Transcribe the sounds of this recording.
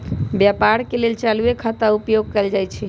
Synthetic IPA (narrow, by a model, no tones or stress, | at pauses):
bjapaɾkelelt͡ʃaluekʰat̪aupjoɡ̚kəjld͡ʒajt͡ʃʰɛ